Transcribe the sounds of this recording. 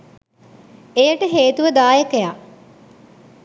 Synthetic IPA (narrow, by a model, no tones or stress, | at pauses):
ejəʈəɦeːt̪uʋəd̪aːjəkəja